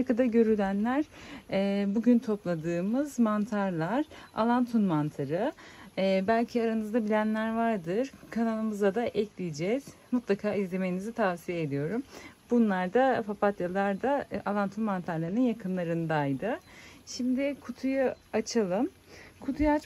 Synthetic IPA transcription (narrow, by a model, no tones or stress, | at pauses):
ɾkad̪aɟø̞ɾylʲænlʲæɾ̥ɛbuɟynt̪ʰo̞plˠad̪ɯːmɯzmant̪ʰaɾlˠaɾ̥a̰lˠant̪ʰunmant̪ʰaɾɯː | bælʲcʰiaɾanɯzd̪abilʲænlʲæɾvaɾd̪ɯɾ̥kʰanalˠɯmɯzad̪aʔɛclʲijid͡ʒɛz̥ | mut̪ʰlˠakʰaːizlʲe̞me̞jinizit̪ʰavsijeed̪ijo̞ɾumbunlˠaɾd̪afapat̪jalˠaɾd̪aalˠant̪ʰunmant̪ʰaɾlˠaɾɯnɯnjakʰɯnlˠaɾɯnd̪ajd̪ɯʃimd̪ɪkʰut̪ʰujaat͡ʃʰalˠɯm | kʰut̪ʰujaat͡ʃ